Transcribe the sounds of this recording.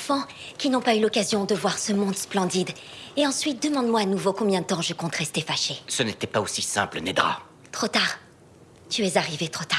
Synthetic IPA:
fɑ̃ | kʲinɔ̃paylɔkazjɔ̃d̪əvwaʁsəmɔ̃d̪splɑ̃d̪id̪eɑ̃sɥit̪̚d̪əmɑ̃d̪mwaːnuvokɔ̃bjɛ̃d̪ət̪ɑ̃ʒəkɔ̃t̪ʁɛst̪efaʃesənet̪ɛpaosisɛ̰̃plənɛd̪ʁa̰ | t̪χot̪aʁ | t̪yɛzaʁivet̪χot̪aʁ

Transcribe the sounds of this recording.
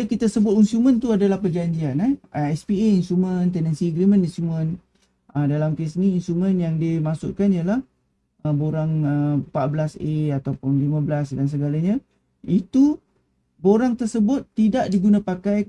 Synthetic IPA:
kit̪asəbʊt̪insumə̃nt̪uadalahpəd͡ʒaɲd͡ʒianɛɛspieinsumə̃nt̪ɛnɛnsiɡɾimə̃ninsumə̃n | ʔədalamkesniːnsumə̃njaŋdimasʊ̰ʔ̚kanijalah | əboɾaŋəpaʔ̪̚bəlaseat̪awpʊnlimãbəlasdans̬əɡalaɲã | it̪u | boɾaŋt̪ərsəbʊt̪ːidaʔdiɡunãpakaj

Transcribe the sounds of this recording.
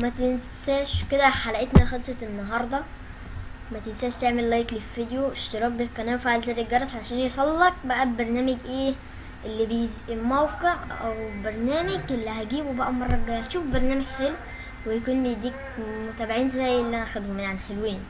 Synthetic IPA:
mæt̪en | sæːʃked̪æħalæʔet̪næxɑd̪sˤɑnːɑɦɑɾˤd̪ˤɑ | mæt̪ensæːʃt̪eʕmellɑjːkliffid̪joeʃt̪eɾˤɑːk̚bikːænæːfaʕalzæːd̪eɡɑɾˤːɑsʕaʃæːnjesˤɑlːɑk̚bæʔæbbɑɾˤnæːmeɡʔeː | ʔelːibejzelmæwqeʕʔæwbɑɾˤnæːmeɡʔelːiɦæɡiːbubæʔæmɑrˤːɑɡæhæʃuːfbɑɾˤnæːmeɡħelw | wejækuːnlid̪iːk | mot̪æːbeʕiːnzæjːelːiʔænʔħæd̪hominʕanħelweːn

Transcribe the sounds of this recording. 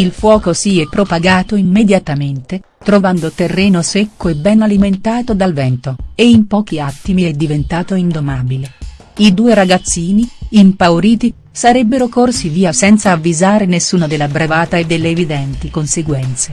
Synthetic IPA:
ilfwɔːkosiːɛpːɾopaɡaːt̪oimːed̪jat̪ament̪e | t̪ɾovand̪ot̪erːɛːnosekːoebːɛnaliment̪aːt̪od̪alvɛnt̪oeimpɔːk̟iat̪ːimiɛd̪ːivent̪aːt̪oind̪omaːbile | id̪uːeɾaɡat̪sːiːniimpawɾiːt̪i | saɾɛbːeɾokorsiviːasɛnt̪saːvːizaːɾenesːuːnad̪elːabɾevaːt̪aed̪ːelːeːvid̪ɛnt̪ikonseɡwɛnt̪se

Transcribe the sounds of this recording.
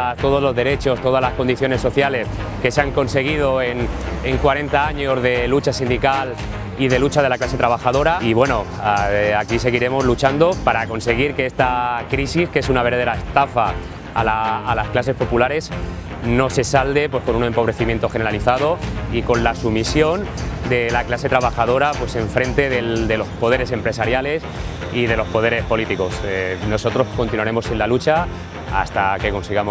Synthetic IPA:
t̪o̞ð̞o̞zlo̞zðe̞ɾe̞t͡ʃo̞st̪o̞ð̞azlasko̞nd̪iθjo̞ne̞sːo̞θjale̞s | ke̞seaŋko̞nse̞ɣ̞ið̞o̞e̞neŋkwaɾe̞nt̪aaɲo̞zðe̞lut͡ʃasind̪ikal | iðe̞lut͡ʃaðe̞laklas̬e̞t̪ɾaβ̞axaðo̞ɾaiβ̞we̞no̞ | akis̬e̞ɣiɾe̞mo̞zlut͡ʃand̪o̞paɾako̞nse̞ɣ̞iɾke̞est̪akɾisiske̞sunaβe̞ɾðaðeɾae̞st̪afaː | laːlasklase̞spo̞pulaɾe̞s | no̞se̞sald̪e̞pwe̞sko̞nune̞mpo̞βɾe̞θimje̞nt̪o̞xe̞neɾaliθað̞o̞iko̞nlasumisjo̞n | d̪e̞laklase̞t̪ɾaβ̞axað̞o̞ɾapwe̞se̞ɱfɾe̞nt̪e̞ðeld̪e̞lo̞spo̞ð̞e̞ɾe̞se̞mpɾe̞saɾjale̞s | iðe̞lo̞spo̞ðe̞ɾe̞spo̞lit̪iko̞seno̞so̞t̪ɾo̞sko̞nt̪inuaɾe̞mo̞sinlalut͡ʃa | a̰st̪ake̞ko̞nsiɣamo

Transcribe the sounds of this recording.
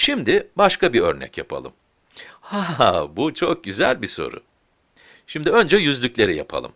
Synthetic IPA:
ʃimd̪ɪbaʃkabiø̞̰ɾnɛ̰cjapʰa̰lˠɯm | habut͡ʃʰok̚ɟyzælʲbiso̞̰ɾʊ̰ | ʃimd̪iø̞nd͡ʒɛjyzlʲycʲlʲe̞ɾijapʰa̰lˠɯ̰m

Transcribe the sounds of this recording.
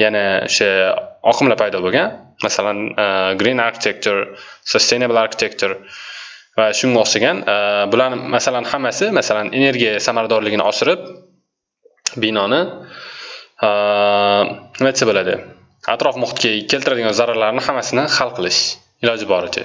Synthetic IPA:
janao̰ʃaɒ̰qʰɨmlapʰajd̪ɒboɡʲanmasalanɡɾinaɾkʰʲɪ̥t̪ʰek̚t͡ʃ̪ʰoɾsost̪ejnabɪlˠaɾkʲʰɪ̥t̪ʰekt͡ʃ̪ʰoɾ | vaʃʊŋɡaɒsaɡʲanbʊlanmasalanhamːasɪmasalane̞ne̞ɾɡʲijasamaɾad̪ɒɾlɪɡʲɪnɪ̰ɒsɪɾɪp̚ | bɪnɒnɪ | nɪmat͡ʃʰabolad̪ɪ̰ | a̰t̪ɾɒfmʊχt̪̚kʲakʲʰelt̪ɪɾad̪ɪɡʲanzaɾaɾlaɾnɪhamːasɪnɪhalˠqʰɨlˠɪʃ | ɪlɒd͡ʒɪbɒɾɪd̪ɪ̰

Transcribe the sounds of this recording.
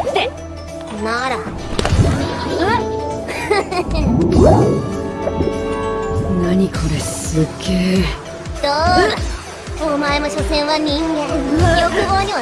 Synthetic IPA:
naɾa | naɲikʰoɾesɨkːeː | d̪o | omaemoɕosẽ̞ɰ̃βaɲʲĩŋɡẽjokɯboːɲ̟iβa

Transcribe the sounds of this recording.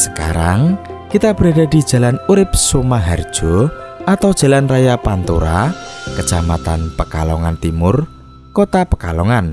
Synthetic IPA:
sə̥ka̰ɾaŋ | kit̪ab̥ɾaɖad̥i̤d̥ʒ̥ä̤lanuɾɪp̚sumaɦard̥ʒ̥ɔat̪aw̥ʒ̥a̤lanrajapant̪uɾakət͡ʃamat̪anpəkalɔŋant̪imʊr | kɔt̪apəkalɔŋan

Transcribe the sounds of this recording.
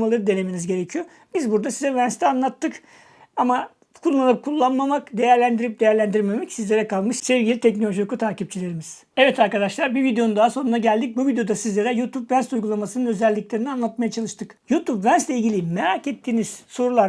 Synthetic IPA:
malˠaɾɯd̪e̞ne̞minizɟe̞ɾecʰijo | b̥izbuɾd̪asizɛvænst̪ʰɛanlˠat̪ʰːɯk | ama | kʰulˠːanɯp̚kʰulˠːanmamakd̪e̞jæɾlʲænd̪iɾip̚d̪e̞jæɾlʲænd̪iɾme̞mɛcsizlʲe̞ɾɛkʰalˠmɯʃsevɟʲilʲit̪ʰɛc̬no̞lʲoʒiokut̪ʰaːcip̚t͡ʃʰilʲe̞ɾimiz̥ | ɛvɛt̪ʰaɾkad̪aʃlˠaɾbivid̪ejo̞nund̪aɦaso̞nunaɟælʲd̪ic̚buvid̪ejo̞d̪asizlʲe̞ɾɛjut̪ʰupvænst̪ujɡulˠamasɯnɯnø̞zɛlʲːiclʲe̞ɾinianlˠat̪̚majat͡ʃʰalˠɯʃt̪ʰɯkjut̪ʰupvænslʲɛilʲɟilʲimeɾaːket̪ːiːniz̥so̞ɾulˠaɾ

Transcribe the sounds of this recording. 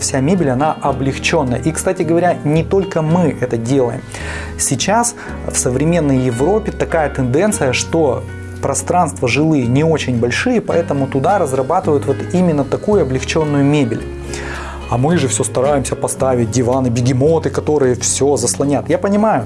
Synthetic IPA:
fsʲamʲebʲɪlʲɐnaʔɐblʲɪxt͡ɕo̞nːəjə̰ʔikst̪atʲɪɡəvɐɾʲanʲɪt̪o̞lʲkəmɨʔɛt̪ədʲe̞lˠə̰jɪ̰m | sʲɪt͡ɕas | fsəvɾʲɪmʲe̞nːəjjɪvɾo̞pʲɪt̪ɐkajət̪ɨnd̪ɛnt̪sɨjəʂt̪o̞ | pɾɐst̪ɾan̪st̪vəʐɨlˠɨjənʲɪo̞t͡ɕɪnʲbɐlʲʂɨjəpɐɛt̪əmʊt̪ʊd̪aɾəzrɐbat̪ɨvəjʊt̪vo̞t̪imʲɪnːət̪ɐkujʊɐblʲɪxt͡ɕo̞nːʊjʊmʲebʲɪ̰lʲ | ɐmɨʐɨfsʲost̪ɐɾajɪmsʲəpɐst̪avʲɪt̚ʲdʲɪvanɨbʲɪɡʲɪmo̞t̪ɨkɐt̪o̞ɾɨjəfsʲozəslˠɐnʲat̪japənʲɪmajʊ

